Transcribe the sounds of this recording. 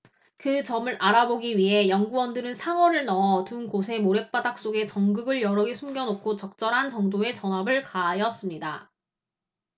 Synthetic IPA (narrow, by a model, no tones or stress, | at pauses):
kɯt͡ɕʌmɯɾʔaɾaboɡiɥiɦe̞jʌŋɡuwʌndɯɾɯnsʰaŋwʌɾɯɭnʌʌtunkosʰe̞moɾe̞p͈adak̚s͈oɡe̞t͡ɕʌŋɡɯɡɯɭjʌɾʌɡesʰumɡjʌnop̚k͈ʰot͡ɕʌk̚t͡ɕ͈ʌɾɦant͡ɕʌŋdoe̞t͡ɕʌnabɯɭkaːjʌs͈ɯmɲida